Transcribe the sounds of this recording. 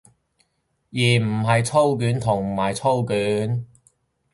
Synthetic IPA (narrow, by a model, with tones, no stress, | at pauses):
jiː˨˩m̩˨˩ɦɐ˨jt͡sʰo˥wk̬yː˨˥nt̪ʰʊ˨˩ŋ˨˩maː˨˩jt͡sʰo˥wkyː˨˥n